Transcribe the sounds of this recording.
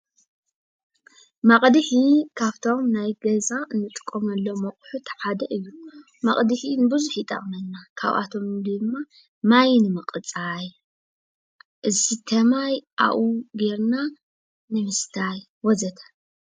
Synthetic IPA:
mɐqʼd̪ɨħikʰaβt̪ʰo̞mnajɡɐzaɨnːɨt̪ʼɨ̥kʼːomɐlːomɐkʼħut̪ʰɐ̥ħad̪ɐʔɨjːu | mɐχʼd̪ɨħinɨbɨzuħit̪ʼɐ̰χʼnɐnːakʰa̰βʔa̰t̪ʰo̞md̪ɨmːa | majnɨmɨqʼɨt͡sʼaj | ʔɨzit̪ʰɐmajʔa̰ʔuɡeɾna | nɨmɨst̪ʰaj | wɔzɐt̪ʰḁ

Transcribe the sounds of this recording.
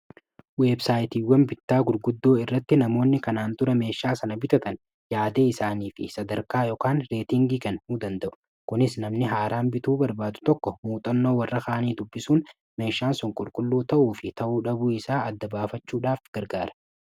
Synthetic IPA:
weːbsaːjt̪iːwːɐnbɪt̪ːaːɡʊɾɡʊd̪ːo̞ːɪrːɐt̪ːɪnɐmo̞ːnːɪkɐnaːnt̪ʊɾɐme̞ːʃːaːsɐnɐbɪt̪ɐt̪ɐn | jaːd̪eːɪsaːniːfɪ̰sɐd̪ɐɾkaːjɔːkaːnɾe̞ːt̪ɪŋɡiːkɐnhuːd̪ɐnd̪ɐʔʊ̥ | kʊnɪsnɐmnɪɦaːɾaːnbɪt̪uːbɐɾbaːd̪ʊ̥t̪ɔkːɔmuːt̪ʼɐnːo̞ːwɐrːɐkɐːʔɐniːd̪ʊbːɪsuːn | me̞ːʃːaːnsʊŋkʼʊlkʼʊlːuːt̪ɐʔuːfɪt̪ɐʔuːᶑɐbuːɪsaːɐd̪ːɐbaːfɐt͡ʃːuːᶑaːfɡ̥ɐɾɡaːɾɐ̥

